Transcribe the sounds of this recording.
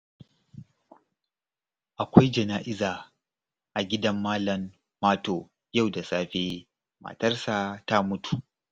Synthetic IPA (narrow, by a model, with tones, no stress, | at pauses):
ʔa˨kʷa˦jd͡ʒɐ˨naː˦ʔɪ˦zaː˨ | ʔa˨ɡʲɪ˦dɐ˦mːaː˦lɐ˨mː | aː˦toː˨ | ja˦˨wda˨saː˦ɸeː˦ | ma̰ː˨tɐ˦rsa˨ta˦mʊ˦tu̥˨ʔ